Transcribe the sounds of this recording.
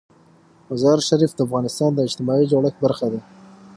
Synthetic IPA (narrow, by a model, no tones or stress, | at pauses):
mazɑɾʃaɾifd̪əafɣɑnɪst̪ɑnd̪əɪt͡ʃt̪ɪmɑid͡ʒoɽəxbaɾxad̪a